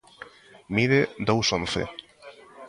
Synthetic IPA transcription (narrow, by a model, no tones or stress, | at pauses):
miðed̪owsonθḛ